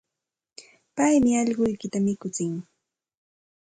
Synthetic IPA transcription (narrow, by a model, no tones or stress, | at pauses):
pajmɪɑʎɢʊjkɪt̪amɪkʊt͡sɪŋ